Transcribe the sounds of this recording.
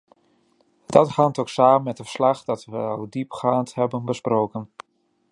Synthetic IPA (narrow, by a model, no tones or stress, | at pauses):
d̥ɑthantowksaːmənmɛt̚dəfə̥ɹslɑχdɑtʋəɑlˠdipχaːnthɛbənbəsprowkən